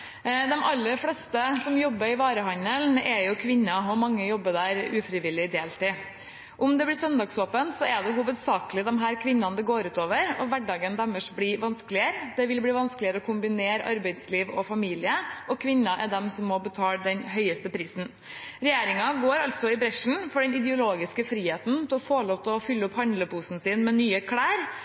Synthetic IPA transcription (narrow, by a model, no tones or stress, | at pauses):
d̪ɛmɑlːəɾflɛst̪əsɔmjɔbːəɾɪʋɑːɾəɦɑnəlnɛjʊkʰʋɪnːɑɔmɑŋːəjɔbːəd̪æːɾʉːfɾɪʋɪlːɪd̪eːlt̪ɪ | ʔʊmd̪ɛblɪsœnd̪ɑːɡsoːpənt̪sɔɛd̪ɛɦuːʋəd̪sɑːkəlɪd̪ɛmɦæːɾkʰʋɪnːɑnd̪ɛɡoːɾʉːt̪oːʋəɾɔʋæɖɑːɡənd̪ɛmːəʂbliʋɑnskəlɪəɾd̪ɛʋɪlbɽiːʋɑnskəlɪəɾəɔkʰʊmbɪneːɾɑ̰ɾbæɪd̪sliːʋɔfɑmiːlɪəʔɔkʰʋɪnːɑʔɛd̪ɛmsɔmːɔbət̪ʰɑːlɖ̪ɛnɦœʏəst̪əpʰɾiːsn̩ | ɾɛjeːɾɪŋɑɡoːɾɑlt̪sɔɪbɾɛʂn̩fɔɖɛnɪd̪ɛʊloːɡɪskəfɾiːheːt̪n̩t̪ʰɪlɔfoːɭoːt̪əɔfʏlːəʊphɑnd̪ləpuːsn̩siːnmɛnyːəkʰɽæːɾ